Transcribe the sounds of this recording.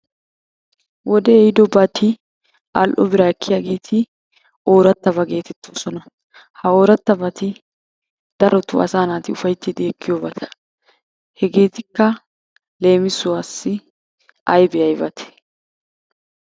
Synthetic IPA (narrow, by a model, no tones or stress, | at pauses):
wɔd̪ɛːjɪd̪ɔbɐt̪ɪ | ʔɐ̰lʔɔbɪɾaːɛkːɪjaːɡe̞ːt̪ʰɪ | oːɾɐt̪ːɐbɐɡe̞ːt̪ɛt̪ːoːsɔnɐ | hɐo̞ːɾɐt̪ːɐbɐt̪ɪ | d̪̥ɐɾɔt̪ʊ̰ɐ̰saːnaːt̪ɪʊfɐjt̪ːɪd̪ɪɛkʰːɪjoːbɐt̪ʰɐ̥ | hɛɡe̞ːt̪ɪkːɐ | le̞ːmɪsʊwaːsːɪ | ɐjbɛɐjbɐt̪ʰɛ̥